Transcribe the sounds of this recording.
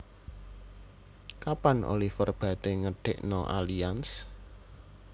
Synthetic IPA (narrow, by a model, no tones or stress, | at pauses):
kapanʔo̰lifərb̥a̤t̪eŋəɖ̥eʔnɔʔa̰lians